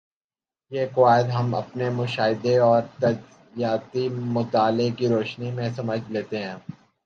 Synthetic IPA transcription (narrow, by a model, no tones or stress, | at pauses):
jeːkʊaːɪd̪ɦɐmɐ̰pnemʊʃaːɦɪd̪eɔːɾt̪ɐz | jaːt̪imʊt̪aːlɪkiɾoːʃnimẽsɐməd͡ʒʱleːt̪eɦɛ̃ː